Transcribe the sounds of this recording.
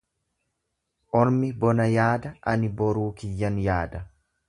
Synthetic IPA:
ʔɔɾmɪbɔnɐjaːd̪ɐʔɐnɪbɔɾuːkɪjːɐnjaːd̪ɐ

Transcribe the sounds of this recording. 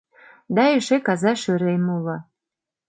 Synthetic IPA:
d̪ɑeʃekɑzɑʃøɾejmulɑ

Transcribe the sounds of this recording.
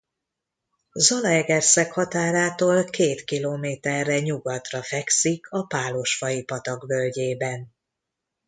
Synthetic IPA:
zɒlɒɛɡɛrsɛkhɒt̪aːɾaːt̪oːlkeːt̪kiloːmeːt̪ɛrːɛɲuɡɒt̪rɒfɛksikʰɒpaːlo̞ʃfɒjipɒt̪ɒɡbølɟeːbɛn

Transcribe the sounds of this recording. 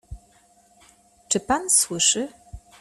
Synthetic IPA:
t͡ʂɨpanswɘʂɘ

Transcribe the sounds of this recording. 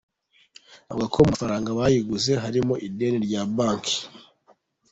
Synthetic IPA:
a̰βuɡakʰomafaɾaːŋɡaβajiɡuze̞ɦaɾimo̞ʔide̞ːneɾɟabaːŋki̥

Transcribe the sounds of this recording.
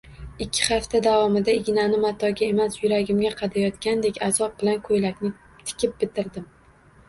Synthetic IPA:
ɪkʲʰːɪ̥χaft̪ʰad̪avɒmɪd̪aɪɡʲnanɪmat̪ʰɒɡʲae̞masjʊɾaɡʲɪmɡʲaqʰɑd̪ajɒt̪kʲand̪ekʲazɒp̚bɪlankʰojlakʲnɪ | t̪ʰɪ̥kʲʰɪp̚bɪt̪ʰɪɾd̪ɪm

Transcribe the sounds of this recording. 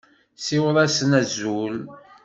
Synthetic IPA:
sɪwəðˤæsnæzul

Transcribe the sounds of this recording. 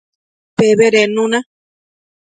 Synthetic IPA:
peβeɾenũnã

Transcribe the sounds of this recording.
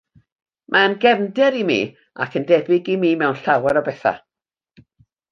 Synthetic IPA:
mʔaənɡɛvndɛɾimḭː | a̰kʰəndɛbɪɡimiːmɛwnɬawɛɾɔbɛθa̰

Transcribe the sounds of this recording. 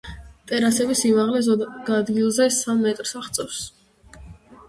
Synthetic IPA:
t̪ʼɛɾasɛbisimaʁlɛɡ̥ad̪ɡilˠzɛsamːɛt̪ʼɾsaχt̪sʼɛfs

